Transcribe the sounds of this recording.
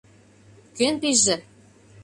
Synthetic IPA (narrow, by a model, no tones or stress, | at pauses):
kønpiʒɘ̆